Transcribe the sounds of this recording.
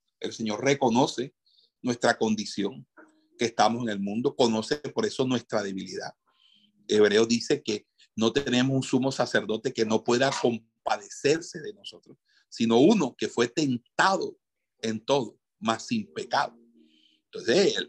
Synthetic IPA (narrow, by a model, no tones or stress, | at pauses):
e̞̰lse̞ɲo̞ɾre̞ko̞no̞se̞ | nwe̞st̪ɾako̞nd̪isjo̞ŋ | keːst̪amose̞ŋe̞lmũnd̪o̞ko̞no̞sepo̞ɾe̞so̞nwe̞st̪ɾaðe̞βiliða̰ð | e̞βɾe̞ozðise̞ke̞ | no̞t̪ene̞mosuŋsumo̞sase̞ɾðo̞t̪e̞ke̞no̞pwe̞ðako̞m | paðe̞se̞ɾse̞ðe̞no̞so̞t̪ɾos | sino̞uno̞ke̞fwe̞t̪e̞nt̪aðo | e̞nt̪o̞ðo̞ | masːimpe̞kaðo | nt̪o̞nsesel